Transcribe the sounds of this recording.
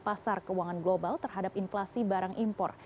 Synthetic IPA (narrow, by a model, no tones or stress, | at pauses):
pasarkəwaŋanɡlobalt̪ərɦadapinflasibaɾaŋʔimpɔ̰r